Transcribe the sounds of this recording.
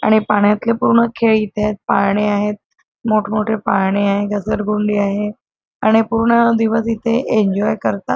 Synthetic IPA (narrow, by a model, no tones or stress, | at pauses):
a̰ɽ̃ipaɳjat̪lepuɾɳəkʰeɭit̪ʰet̪̚paɽeaɦet̪̚ | moʈʰmoʈʰepaɭɳeaɦeɡəsəɾɡuɳɖiːaɦe | aɽ̃ipuɾɳəd̪iʋəsit̪ʰeʔeɲd͡ʑɔjkəɾt̪a